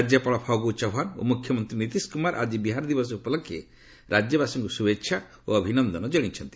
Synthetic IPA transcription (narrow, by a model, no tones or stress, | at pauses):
d͡ʒjapaɭɔpʰawɡut͡ʃaɦano̰mukʰjɔmɔnt̪ɾinit̪iskumaɾʔa̰d͡ʒibiɦaɾd̪ibɔsɔupɔlɔkʰjḛ | ɾad͡ʒjəbasuŋkɔsubetːʃʰa | oəbʱinɔnd̪ɔnɔd͡ʒəɽ̃it͡ʃʰɔnt̪i̥